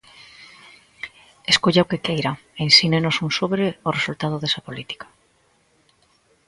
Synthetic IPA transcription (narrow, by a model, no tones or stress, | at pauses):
eskoʎaokekejɾaensinenosunsoβɾeoresult̪að̞oðesapolit̪i̥kḁ